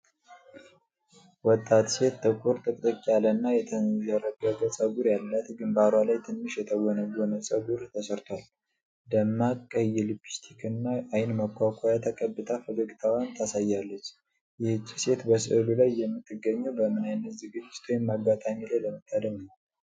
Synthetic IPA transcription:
wɔt̪ʼːat̪se̞t̪t̪ɨkʼuɾt̪ʼɨkʼt̪ʼəkʼijalənːajɛt̪ʰənzəɾəɡəɡəsʼəɡuɾjalːət̪ɡɨmbaɾwalajt̪ʰɨnːɨʃjɛt̪ʰəwɔnəɡonəsʼəɡuɾt̪ʰəsəɾt̪ʰwal | d̪əmːakʼːəjɛlɨbi̥st̪ʰikʰɨnːaajɪnməkʰʷːakʷʰʼɔjat̪ʰəkʼəbːɨt̪ʰʼafəd̪oɡit̪ʰawant̪ʰasajːalːət͡ʃː | jɪhɨt͡ʃʼːise̞t̪bəsɨ̰lulajːɛmːɨt̪ʰːɨɡːəɲːəwbəmɨnajnːəzɨɡɨd͡ʒɪ̥t̪ʰwjɪmːaɡat̪ʼamilajləmət̪ʼːad̪əmnəw

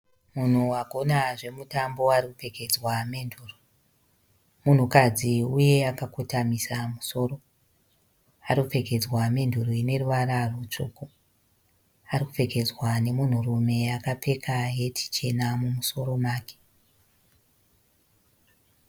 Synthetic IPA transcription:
mun̤uaɡʱo̞naʐe̞mutambo̞arikupe̞ke̞d͡zwamenduːro | mun̤ukad͡ziuje̞akakotamisamuso̞ːɾo̞ | arikupe̞ke̞d͡zwame̞ndʱuroine̞ruʋaɾarut͡ʂoːko | arikupe̞ke̞d͡zwane̞mun̤urume̞akap͡fe̞kʰaɦe̞tʰi̥t͡ʃe̞namumuso̞ɾo̞maːke̥

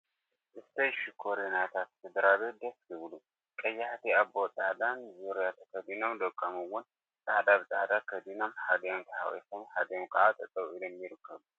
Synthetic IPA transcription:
ʔɨst̪ʰəʃikʰoɾenat̪ʰat̪sɨd̪ɾaβet̪d̪əskɨβlu | kʼɐjːaht̪ʰiabot̪ʼad̪anzuɾijat̪ʰɐkʰəd̪inomd̪əkʼːəmɨwʊn | t̪ʼad̪aβɨt̪ʼad̪akʰəd̪inomħad̪jamt̪ʰɐha̰wḛsomħad̪jomkʰɐʕat̪ʼɐt̪ʼəwɨlɛmːjɪɾɨkʰːəβu

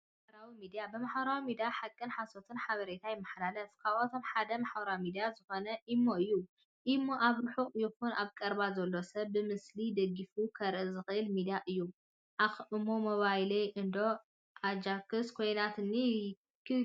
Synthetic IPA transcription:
bɐɾawimid̪ijabɨmaħbɐɾawimid̪ijaħakʼːɨnħasot̪ʰɨnħaβɐɾet̪ʰajɪmːɐħalalɐfkʰaβʔot̪ʰo̞mħad̪ɐmaħbɐɾawimid̪ijazɨxo̞nɐʔimːo̞ɨjːu | ʔimːo̞ʔaβɾɨħuqʼjɪxunaβkʼɐɾbazɐlːo̞sɐβːɨmɨslid̪ɐɡːifukʰɐɾʔɨzɨxɨʔɨlmid̪ijaʔɨjːu | ʔaxʔɨmomoβajlejʔɨnd̪o̞ | ʔad͡ʒakʰɨskʰojnat̪ɨnːi | kʰɨ

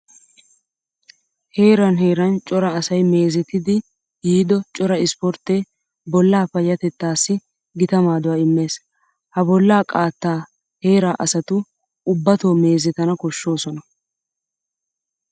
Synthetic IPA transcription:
he̞ːɾɐnɦe̞ːɾɐnt͡ʃʼɔɾɐːsɐjme̞ːzɛt̪ːɪd̪ɪ | jiːd̪ɔt͡ʃʼɔɾɐɪspɔɾt̪ːeː | bɔlːaːfɐjːɐt̪ɛt̪ːaːsːɪ | ɡɪt̪ɐmaːd̪ʊwaːɪmːe̞ːs | hɐbɔlːaːkʼaːt̪ːaː | he̞ːɾaːʔɐsɐt̪ʊ | ʊbːɐt̪o̞ːme̞ːzɛt̪ɐnɐkɔʃːo̞ːsɔnɐ

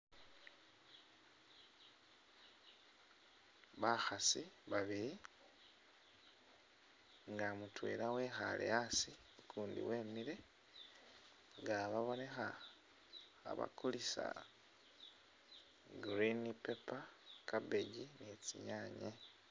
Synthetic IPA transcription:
βaxasiβaβiɾi | ŋɡamutwḛɾawe̞xa̰lḛjasi | kʰuːndḭwe̞ːmiɾe̞ | ŋɡaβaβo̞ne̞xa | βa̰kulisa̰ | ɡɾinipepakabeɟinet͡sḭɲaːɲe

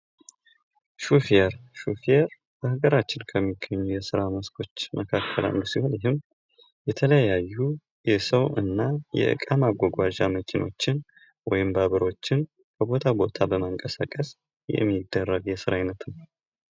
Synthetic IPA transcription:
ʃufieɾʃufieɾ | b̥əhaɡəɾat͡ʃːɪnkʰəmːiɡːəɲːujɛsɨɾaməskʰo̞t͡ʃːmʔəkʰakʰːəla̰nːsihonjɪɦɨm | jɛt̪ʰələjjajːu | jɛsəwɨnːajɛ̰ʔɨ̰kʼamaɡʷːɔɡʷaʒaməkʰinʔo̞t͡ʃːɪn | wɔjɪmbaβəɾo̞t͡ʃːɪn | kʰəbo̞t̪ʰabo̞t̪ʰabəməŋkʼəsakʼəs | jɛ̰mːid̪ːərːəɡjɛsɨɾajnət̪nə

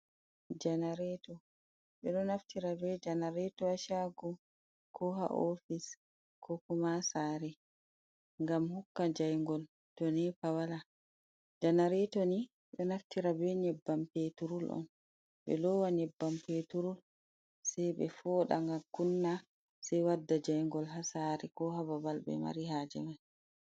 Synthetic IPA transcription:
d͡ʒanaɾɛtɔ | ɓɛɗɔnaftiɾabɛd͡ʒanaɾɛtɔaʃaɡu | kʰɔɦa̰ʔofis | kʰɔkumasaɾɛ | ŋɡamhukːad͡ʒajŋɡɔl | tɔnɛpawala | d͡ʒanaɾɛtoni | ɓɛnaftiɾabɛɲɛbːampetuɾulʔɔ̰n | ɓɛ̰lɔwaɲɛbːampetuɾul | sɛjɓɛfɔːɗa̰ŋɡakunːa | sɛjwadːad͡ʒajŋɡɔlɦasaɾɛkɔɦababalɓɛ̰ma̰ɾiɦad͡ʒɛman

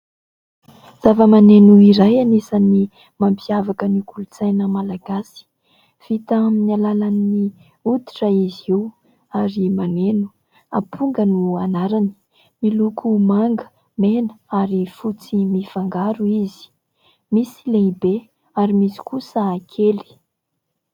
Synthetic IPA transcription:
z̥avəmanenuiɾajanesani | mampʰiavakənikʰulut͡sajnəmalaɡasi̥ | v̥it̪aminalalanːi | ud̪i̥ʈ͡ʂəiziw | aɾimanenu̥ | apʰuŋɡənuanaɾani̥ | milukʰumaŋɡə̥ | menə̥aɾifut͡simifaŋɡaɾuizi̥ | misileibe | aɾimisi̥kusəakʰeli̥

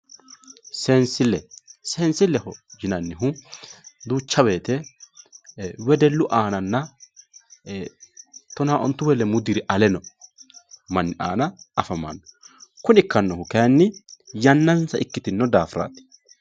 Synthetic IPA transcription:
seːnsɪlːɛseːnsɪlːɛhɔd͡ʒɪnɐnːɪɦʊ | d̪uːt͡ʃːɐbe̞ːt̪ɛ | wɛd̪ɛlːʊʔaːnɐnːɐ | t̪ɔnaːʔɔ̰nt̪ːʊwɛlɛmʊd̪ɪɾɪʔɐlɛnɔ | mɐnːɪʔa̰ːnɐɐfɐma̰nːɔkʊnɪkːɐnːɔhʊkɛnːɪjɐnːɐnsɐʔɪkːɪt̪ɪnːɔd̪aːfɾa̰ːt̪ɪ̥

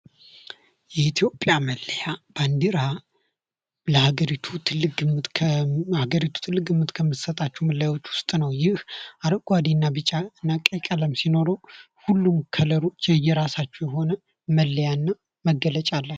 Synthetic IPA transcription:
jɛit̪ʰjo̞pʼjaməlːəjab̥and̪iɾa | ləhaɡəɾit̪ʰut̪ʰɨlːɨɡɨmt̪ʰhaɡəɾit̪ʰu̥t̪ʰɨlːɨɡɨmːɨt̪kʰəmːɨt̪sət̪ʼat͡ʃːɛwməlːəjawo̞t͡ʃːwʊst̪ʼnəwjɪhaɾəɡʼad̪enːabɨt͡ʃʼːaɨnːakʼəkʼələmsino̞ɾow | hulːumkʰələɾot͡ʃːɛjːɛɾasat͡ʃːɛjɛɦo̞nə | məlːəjanːa | məɡːələt͡ʃʼalːə

